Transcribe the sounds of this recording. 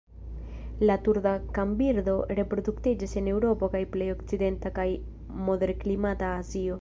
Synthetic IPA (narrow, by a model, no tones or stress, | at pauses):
latuɾdakambiɾdo̞ɾe̞pɾo̞d̪uktid͡ʒise̞ne̞wɾo̞po̞kajple̞jo̞kt͡side̞ntakaj | mo̞de̞ɾklimataːzio̞